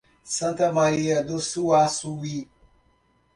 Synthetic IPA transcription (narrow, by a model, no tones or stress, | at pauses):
sɐntamaɾijadosuwasuwi